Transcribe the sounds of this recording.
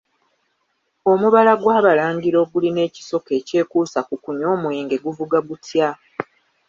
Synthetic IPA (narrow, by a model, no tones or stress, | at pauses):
o̞muβalaɡwaːβalaːŋɟiɾo̞ɡuline̞ːci̥so̞ke̞ːce̞ːkuːsakukuɲo̞ːmweːŋɡe̞ɡuvuɡaɡutja